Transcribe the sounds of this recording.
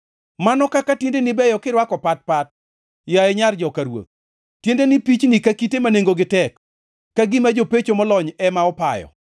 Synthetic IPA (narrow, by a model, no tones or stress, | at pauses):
manɔkakatjendenɪbɛjɔkɪɾwakɔpat̚pat̚ | jaeɲard͡ʒɔkaɾwo̰t̪̚ | tːjendenɪpit͡ʃnikakitemaneŋɡoɡɪtɛkː | aɡɪmad͡ʒopet͡ʃomɔlɔɲɛmaɔpa̰jɔ̰